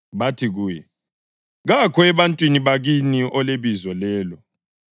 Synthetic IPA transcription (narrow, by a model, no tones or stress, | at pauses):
βatʰiɣuːjɛ | ɣakʰɔɛβantʼwiniβaɣiniʔɔleβizɔlɛːlɔ